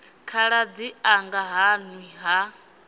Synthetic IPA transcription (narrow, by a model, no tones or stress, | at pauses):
kʰaɺad͡ziaŋɡaɦanwiɦa